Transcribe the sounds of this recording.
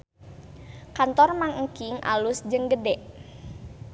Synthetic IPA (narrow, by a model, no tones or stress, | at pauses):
kant̪ɔrmaŋŋ̩kɪŋʔa̰lusd͡ʒəŋɡədɛʔ